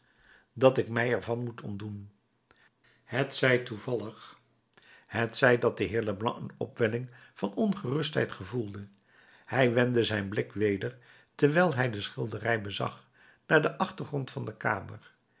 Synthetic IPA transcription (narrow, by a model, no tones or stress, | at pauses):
dɑtɪkmɛjɛɹvɑnmutɔmdun | hətsɛjtuvɑlˠəχ | hətsɛjdɑt̚dəɦɪːɹləblɑ̰ənɔ̰pʋɛlɪŋv̥ɑnɔnχərɵstɦɛ̰jtχəvulˠdə | hɛjʋɛndəzɛjnblɪkʋejdəɹ | tɛɹʋɛjlˠɦɛjdəsχɪlˠdərɛjbəzɑ̰χ | naːɹdəʔɑχtəɹχrɔntfɑndəka̰ːməɹ